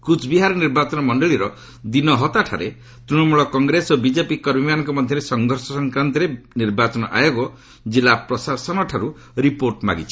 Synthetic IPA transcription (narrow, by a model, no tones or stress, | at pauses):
kut͡ʃʰbiɦaɾɔniɾbat͡ʃɔnɔmɔɳɖɔɭiɾɔ | d̪inɔɦɔt̪aʈʰa̰ɾe | t̪ɾiɽ̃ɔmuɭɔkɔŋɡɾesobid͡ʒepikɔɾbimanɔŋkɔmɔd̪ʱjɔɾesɔŋɡʱɔɾsɔsɔŋkɾant̪iɾeniɾbat͡ʃɔnɔʔa̰joɡɔ | d͡ʒilapɾɔsasɔnɔʈʰaɾu | ɾipoɾʈma̰ɡit͡ʃʰi̥